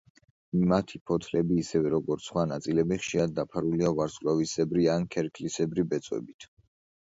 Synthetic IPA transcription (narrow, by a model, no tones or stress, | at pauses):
mat̪ʰipʰɔt̪ʰlɛbiːsɛvɛɾɔɡɔɾt̪sʰχwanat̪sʼilɛbiχʃiɾad̪̚d̪ːapʰaɾuliavaɾskʼlavisɛbɾiankʰɛɾkʰlisɛbɾibɛt̪sʼwɛ̰bit̪ʰ